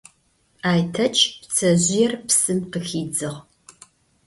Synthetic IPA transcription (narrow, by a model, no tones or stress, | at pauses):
aːjtʰɐt͡ʃʰʼpt͡sʰɐʑʷɪjɛrpsɨmqəxiːd͡zɨʁ